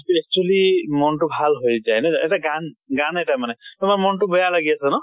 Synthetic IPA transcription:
pɛst͡ʃalimɔntʊbʱalɦojzajnɔʔɛtaɡanɡanɛtajmanɛtʊmaɹmɔntʊbɔjalaɡiasɛnɔ

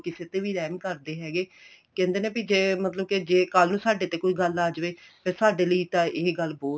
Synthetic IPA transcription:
kɪseːt̪eːʋiːɾɛːmkəɾd̪eːɦɛːɡeː | kɛ̃ːnd̪eːneːpid͡ʒeːmət̪ləb̚ked͡ʒeːkəlnũːsaːɖeːt̪eːkoiːɡəlaːd͡ʒʋeːpeːsaːɖeːləiːt̪ãːʔɪːɡəlbɔː

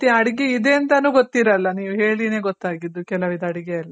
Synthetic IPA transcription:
t̪iɐɽiɡeid̪e̞ɐnt̪ɐnuːɡot̪ːiɾɐlːɐniːʋuɦe̞ːɭine̞ːɡɔt̪ːaːɡid̪ːukɛlɐʋid̪ɐɽiɡeɐlːɐ

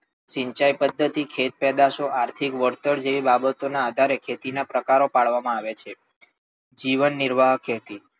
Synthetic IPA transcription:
ʃĩɲt͡ʃajpəd̪ʱːət̪ikʰet̪̚pɛd̪aʃoʔaɾt̪ʰikʋəɾt̪əɭd͡ʒeʋibabət̪onaːd̪ʱaɾekʰet̪inapɾəkaɾopaɭʋamãaʋet͡ʃʰe | d͡ʒiʋənːɪɾʋaɦəkeət̪i

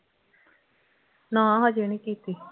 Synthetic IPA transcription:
nãːɦad͡ʒeːnikiːt̪iː

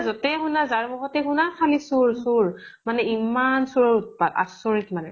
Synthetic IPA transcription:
zɔtɛɦunazaɹmɔɡɔtɛkunakʰalisuɹsuɹ | manɛimansuɹɔɹut̚pata̰sɔɹitmanɛ̰

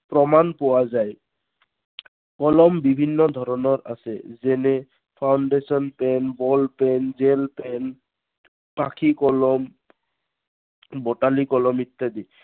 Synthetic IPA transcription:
pɹɔmanpowazaj | kɔlɔmbibʱinːɔd̪ʱɔɾɔnɔɹʔasɛ̰zɛnɛ | pʰawɳɖesɔnpɛnbɔlpɛnzelpɛn | pakʰikɔlɔm | bɔʈalikɔlɔmit̪ːad̪i

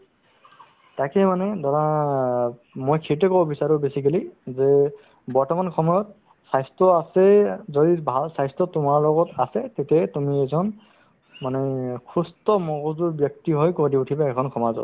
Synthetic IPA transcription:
takɛmanɛdɔɹa | mojkʰitɛkɔbɔbisaɹʊbesikelizɛ | bɔɹtɔmankʰɔmɔjɔt̚ | sajstɹɔasɛzodibʱalsajstɔtʊmaɹlɔɡɔtasɛtetɛtumiɛzɔn | manɛkʰustɔmɔɡɔzuɹbjɔk̚tiɦɔjkoɹdiutʰibaɛkʰɔnkʰɔmazɔ̰t

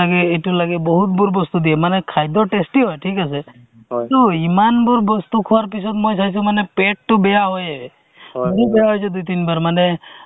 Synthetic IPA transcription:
aɡeːʈulaɡebɔɦut̪̚buɾbɔst̪ud̪iemanekʰajd̪ɔʈesʈiɦɔjʈʰikase | t̪oimanbuɾbɔst̪ukʰɔwaɾpis̬ɔt̪mojtʰajs̬ũmanepeʈ̚ːubejaɦojee | muɾibejaɦɔjt͡ʃʰɔd̪ujt̪̬inbaɾmane

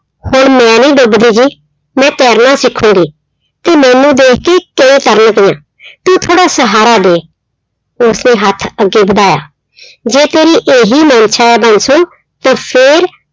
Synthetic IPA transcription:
hoːɳmɛ̃ːnĩːɖʊbd̪iːd͡ʒiː | mɛ̃ːt̪ɛːɾnãːsɪkʰːũːɡiː | t̪eːmɛ̃ːnũːd̪eːkʰkeːkəĩːt̪əɾnkɪjãː | t̪ũːt̪ʰoːɽaːsəɦaːɾaːd̪eː | ʊsneːɦət̪ʰəɡːeːbəd̪aːja̰ː | d͡ʒeːt̪eːɾiːʔeːɦiːmaːnʃaːɛːbənsoː | t̪ãːpʰɪːɾ

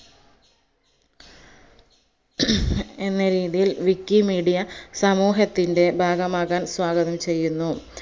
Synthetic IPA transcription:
enːɐɾiːðijilʋikːimiːɽijɐsɐmuːɦɐt̪ːinde̞bʱaːɡɐmaːɣaːnswaːɡɐðɐmt͡ɕe̞jːunːu

